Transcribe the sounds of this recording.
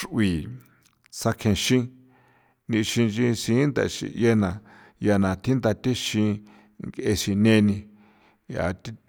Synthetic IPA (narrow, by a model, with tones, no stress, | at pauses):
ʂʔwi˨ | sa˧kʰẽ˧ʃĩ˦ | nĩ˧ʃĩ˧ʒĩ˧sĩː˨˦nd̪a̰˧˨˧ʃḭ̃˧˨je˦nã˨ | ja˧nã˨t̪ʰi˦nd̪a˧t̪e˦ʃĩ˧ | ŋɡe˧ʃĩ˧nẽ˧nĩ˧ | ja̰˨t̪i˦